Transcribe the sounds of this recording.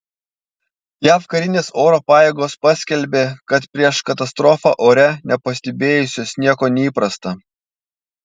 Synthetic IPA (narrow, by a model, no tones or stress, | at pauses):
jæːfkɐɾʲɪnʲeːsoːɾoːpɑːjeːɡoːspɑsʲkʲɛlʲbʲeːkɐt̪pʲɾʲiɛʃkɐt̪ɐst̪ɾoːfɑ̰ʔoːɾʲɛnʲɛpɐsʲt̪ʲɛbʲeːjʊsʲoːsnʲiɛkoːnʲɛiːpɾɐst̪ɐ